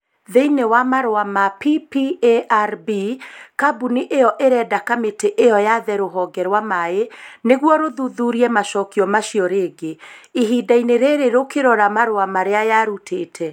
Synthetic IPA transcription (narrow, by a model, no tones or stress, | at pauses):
ðeinewamaɾoamapipieʔaɾbikabuniʔejɔʔeɾɛdakameteʔejɔjaðɛɾoɦɔːɡɛɾwamaeneɣwɔɾoðuðuɾiɛmaʃɔːkiɔmaʃiɔɾeːɡeiɦidaineɾeɾeɾokeɾɔɾamaɾoamaɾeajaɾutʰeːtʰɛ